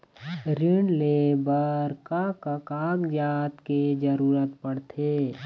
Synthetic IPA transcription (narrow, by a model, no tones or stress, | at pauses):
ɾɪɳleːbəɾkakakaːkd͡ʒaːt̪ked͡ʒəɾuːɾət̪pəɽt̪ʰeː